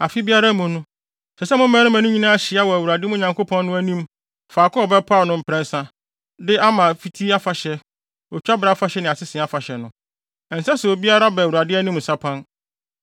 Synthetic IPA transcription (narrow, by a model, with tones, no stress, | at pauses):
a˨fi˦bi˦a˦ɾa˦mʊ̃˨nʊ̃˦ | sɛ˨sɛ˦mʊ̃˦mɛ̃˦nʊ̃˦mæ̃˨nʊ̃˦ɲĩ˦nã˦ɕɪ˨˦a˦wɔ˨æ˨wu˨ɾa˨dɪ˦mʊ̃˦˨ɲã˨ŋko˦pʰɔ̃˦nː˦nʊ̃˦æ˦nĩ˦m | faː˨kʰʊ̃˦ɔ˨bɛ˦pʰa˦˨nʊ̃˦m̩˨pʰɾɛ̃˦n˦sã˦ | dɪ˦a˦mã˨fi˦tʰi˦a˦fa˨ɕɛ˦ | ɔ˨t͡ɕᶣa˦bɾa˦fa˦ɕɛ˦nɪ̃˨a˨sɪ˦sɪ̃˨a˦fa˨ɕɛ˨nʊ̃˦˨ | n̩˨sɛ˦sʊ˨o˨bi˦a˦ɾa˦bɛ˨wu˨ɾa˨dɪ˦æ˦nĩ˦m̩˨sa˦pʰã˦n